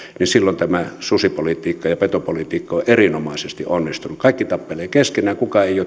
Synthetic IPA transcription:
ninsilːont̪æmæsusipolit̪iːkːɑjɑpet̪opolit̪iːkːɑoʔʔerinomɑˑisest̪ḭʔonːist̪unukɑˑikːit̪ɑpːeleːkeskenæːkukɑeˑijoˑ

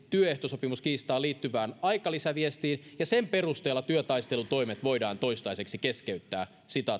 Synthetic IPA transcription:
t̪yøeht̪osopimuskiːst̪ɑːliːt̪ːyʋæːnɑjkɑlisæʋiest̪iːnjɑsemperust̪eːlːɑt̪yøt̪ɑist̪e̞lut̪o̞imet̪ʋo̞idɑːnt̪o̞ist̪ɑise̞ksikeskeyt̪ːæː | sit̪ɑ

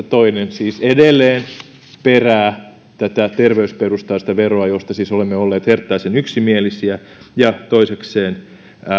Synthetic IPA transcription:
t̪oinensiːsedelːeːn | peræː | t̪æt̪æt̪erʋeysperust̪ɑːsi̥t̪æʋeroɑjost̪ɑsiːsolemːeolːeːt̪hert̪ːɑisenyksimielisiæjɑt̪oisekseːn

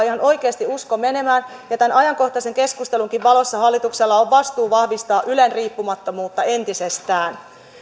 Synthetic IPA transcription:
ihɑno̞jkeɑst̪iuskome̞ne̞mæːn | jɑt̪ænɑjɑŋko̞ht̪ɑse̞ŋke̞skust̪e̞luŋkiʋʋɑlo̞sːɑhɑlːit̪ukselːɑoʋʋɑst̪uːʋɑhʋist̪ɑːʔylenriːpːumɑt̪ːomuːt̪ːɑent̪isest̪æːn

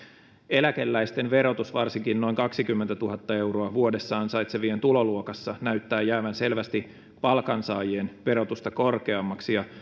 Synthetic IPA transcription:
e̞lækelːæist̪e̞nʋe̞ɾo̞t̪usʋɑrsiŋkinno̞iŋkɑksikymːent̪æt̪uɦɑt̪ːɑe̞uwro̞ɑʋuo̞de̞sːɑːnsɑjt̪seʋient̪ulo̞luokɑsːɑnæyt̪ːæːjæːʋænse̞lʋæst̪i | pɑlkɑnsɑːjienʋe̞ɾo̞t̪ust̪ɑko̞rke̞ɑmːɑksijɑ

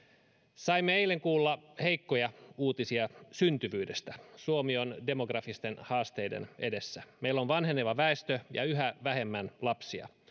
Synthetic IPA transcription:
sɑimːeeileŋkuːlːɑheikːojɑuːt̪isiɑsynt̪yʋyːdest̪æsuomionde̞moɡrɑfist̪enhɑːst̪eidḛne̞̰desːæmeilːonʋɑnheneʋɑʋæest̪øjɑ̰yɦæʋæhemːænlɑpsiɑ̰

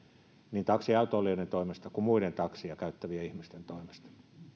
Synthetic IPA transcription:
nint̪ɑksiɑyt̪oːˑlːˑionent̪oimest̪ɑkumuident̪ɑksiɑkæyt̪ːæʋiæihmist̪ent̪oimest̪ɑ̥

